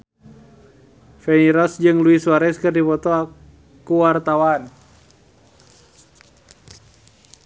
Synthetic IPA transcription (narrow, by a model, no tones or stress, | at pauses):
fɛniɾɔsd͡ʒɨŋluisuaɾɛskɨrdipɔt̪ɔa | kuwart̪awan